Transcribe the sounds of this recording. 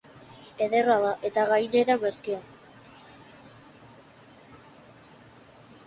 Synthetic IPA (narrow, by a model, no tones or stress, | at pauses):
e̞ðeraðaʔet̪aɣajneɾameɾkia